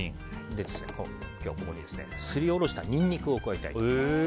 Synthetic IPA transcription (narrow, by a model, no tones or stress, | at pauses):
ĩ | d̪e̞d̪e̞sɨnḛkʰo̰ | kʲo̞ːko̞ko̞ɲ̟id̪e̞sɨne̞̰sɨɾʲio̞ɾo̞ɕi̥t̪aɲ̟ʲĩɲ̟ːʲikɯ̟oːkɯ̟ait̪a̰i